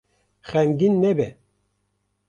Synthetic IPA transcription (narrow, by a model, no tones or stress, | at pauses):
xɛŋɡinːɛbɛ